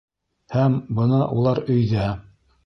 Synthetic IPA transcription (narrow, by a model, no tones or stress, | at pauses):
hæmbɤ̆nɤʔulˠɑɾɵ̆jðæ